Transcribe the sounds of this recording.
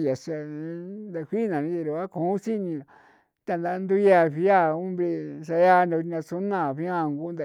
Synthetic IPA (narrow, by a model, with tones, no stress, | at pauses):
ja˨sa˧ĩ˧˦nd̪a˧kʷi˦nã˨nĩ˦t̪e˧ɾu˨˧βa˦kõ˨˦si˦nĩ˧˨ | t̪a˧nd̪a˧˦nd̪u˦ja˧˨βi˧˦a˦˨ũ˦mbɾe˧sa˧ja˦˧na˧nã˧su˦nã˧˨βi˦ã˦˧˨ŋɡu˦nd̪a˧˨